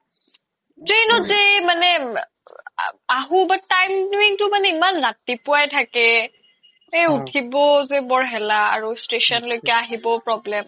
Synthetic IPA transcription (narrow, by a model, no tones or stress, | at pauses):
tɹenɔtzemanɛ | aɦubatajmduiŋtʊmanɛimanɹatipʊajtʰakɛ | ejutʰibɔzɛbɔɹɦɛla̰ːɹustesɔnlojkɛaaɦibɔpɹɔblɛm